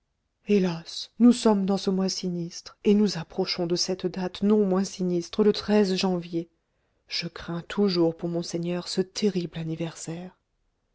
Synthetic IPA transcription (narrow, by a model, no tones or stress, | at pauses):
elasnusɔmd̪ɑ̃səmwãsinist̪χenuzapχɔʃɔ̃d̪əsɛt̪d̪at̪nɔ̃mwɛ̃sinist̪χələt̪χɛzʒɑ̃vje | ʒ̥əkχɛ̃t̪ʰuʒuʁpuʁmɔ̃sɛɲœʁsət̪ʰeʁiblanivɛʁsɛːʁ